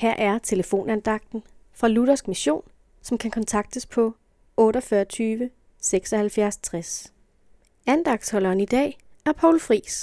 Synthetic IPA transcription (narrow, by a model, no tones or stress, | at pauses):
hæɐ̰ʔæɐt͡sʰe̝ləfo̝̰ːnænd̥ɑ̈ɡ̥̚d̥n̩fʁɑ̈luɾ̥ɐsɡ̥miɕo̝̰ːn | sɒ̽mkʰækʰɒ̽nt͡sʰɑ̈ɡ̥̚d̥əspʰɒ̽ | ɔ̽ːɾɒfɶːɐt͡sʰyːʋə | seɡ̥sɒ̽hælfjæɐst͡sʰʁas | ænd̥ɑ̈ɡ̥d̥shɒ̽lɐːnid̥ɛ̰ːæɐpʰɒʊlfʁḭːs